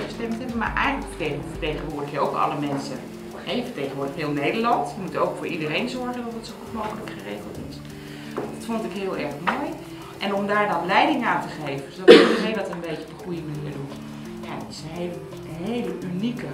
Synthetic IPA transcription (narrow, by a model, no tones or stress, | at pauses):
əstɛmtɛbəma̰ɹʔɛjχənləkfəefətejχənʋʊːɹdəχjəowkɑ̰ləmɛnsə | hɛjvəɹtejχənʋʊːɹdəχtɦɪːlˠnejdəɹlɑntjəmutowkfʊːɹʔidərejnzɔɹχəndɔtətsoknokələkχərejχəlˠtɪs | dɑtfɔntɪkɦɪːlˠɛɹχmoːj | ʔɛnɔmdaːɹdɑnlɛjdɪŋaːntəχejvəndsdɔtərejdɑtənbejkəbəχrujənəədu | ja̰dtɪ̥sənɦel | ɦejləʔynikə